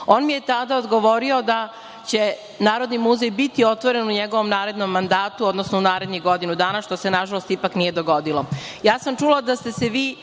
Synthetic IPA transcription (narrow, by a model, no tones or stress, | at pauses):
oːnmije̞t̪ad̪aod̪ɡo̞ʋo̞ɾio̞d̪a | t͡ɕe̞ | naːɾo̞d̪nimuzejbit̪io̞t̪ʋo̞ɾe̞nuɲeɡo̞ʋo̞mnaːɾe̞d̪nomːand̪aːt̪uod̪nosnounaːɾe̞d̪niɣɡo̞d̪inud̪aːnaʃt̪o̞se̞naʒalost̪ipaknije̞d̪oɡo̞d̪ilojaːsamt͡ʂulad̪ast̪e̞seʋiː